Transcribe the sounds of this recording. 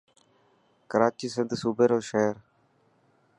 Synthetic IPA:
kəɾaːt͡ʃiːsɪnd̪suːbeːɾoːʃeːɾ

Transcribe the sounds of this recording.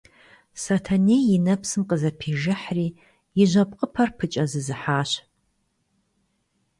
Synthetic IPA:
sɐtʰɐneːjɪnɐpsɨmqəzɐpʰiːʒɨħriː | jɪʑʷɐpqʼəpʰɐrpʰɨt͡ʃʼɐzɨzɨħaːɕ

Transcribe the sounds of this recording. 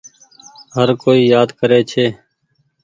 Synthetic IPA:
ɦəɾkoːiːjaːd̪kəɾeːt͡ʃʰeː

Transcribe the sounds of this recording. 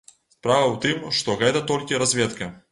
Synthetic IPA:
spɾavɐwt̪ɨmʂt̪ɔɣɛt̪ɐt̪ɔlʲkʲɪɾɐzʲvʲet̪kɐ

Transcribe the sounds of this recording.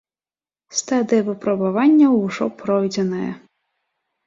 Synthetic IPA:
st̪ad̪ɨjɐvɨpɾɐbavanʲːɐwʐɔpɾɔjd͡zʲɛnɐjɐ̰

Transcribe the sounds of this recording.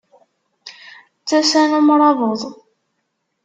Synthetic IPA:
t͡sːæsænumɾˤɑðˤəðˤ

